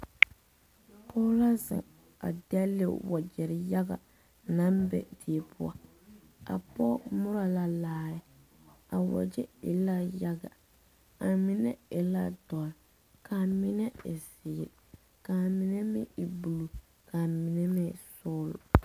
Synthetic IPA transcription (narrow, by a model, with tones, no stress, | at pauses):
pʰɔː˦la˦zɪ̰˨ | a̰˨dɛ˦le˦˨wɔ˨d͡ʒɛ˨ɾɪ˨ja˦ɡa̰˨ | na˦mbɛ̰˦˨di˨e˨pʰʊ˦a̰˦ | a̰˨pɔ˦mʊ˦ɾa˨la˦laː˦ɪ˦ | a˨wɔ̰˨d͡ʒɛ˦ɪ̰˨la˦ja˦ɡa̰˨ | a˨mɪ˨nɛ̰˦ɪ˨la˦d̥ɔ˨l | kʰaː˨mɪ˦nɛ˦ɪ˨sɪː˨ɾ | ka˨mɪ˨nɛ˦mɪ̰˦ɪ˨bu˨lu˨ | kaː˨mɪ˨nɛ˦mɛ˦˨sɔː˦lʊ̰˨